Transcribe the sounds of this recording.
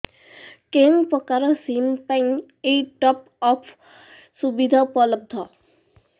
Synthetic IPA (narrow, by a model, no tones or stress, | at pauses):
keŋpɔkaɾɔsimpaŋ | eʈɔp | ɔpʰ | subid̪ʱapɔləb̚d̪ʱɔ